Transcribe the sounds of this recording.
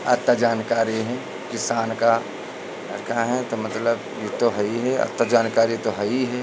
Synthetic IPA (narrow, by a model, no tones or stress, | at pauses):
ɐ̰t̪ːad͡ʒaːnkaːɾiɦɛ̃ | kɪsaːnka | ɐɾkʰaɦɛ̃t̪omɐt̪ləb | jet̪oɦɐiɦɛɐ̰t̪ːad͡ʒaːnkaːɾit̪oɦɐiɦɛː